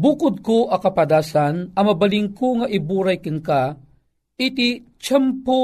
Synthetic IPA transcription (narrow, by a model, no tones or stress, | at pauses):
bukʊd̪̚koʔɐkɐpɐd̪aːsanɐmɐbɐliŋkoŋaʔibuːɾajkɪnka | ʔit̪it͡ʃɛmpo